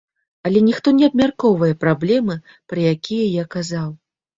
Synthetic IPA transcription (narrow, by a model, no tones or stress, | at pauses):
ɐlʲɛnʲixt̪ɔnʲɛɐbmʲarkɔvɐjɛpɾablʲɛmɨ | pɾɨjakʲijɐjakazaw